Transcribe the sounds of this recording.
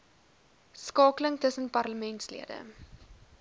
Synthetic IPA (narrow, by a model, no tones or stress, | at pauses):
skɑːkələŋtəsənpɐrləmɛntslḭədə̰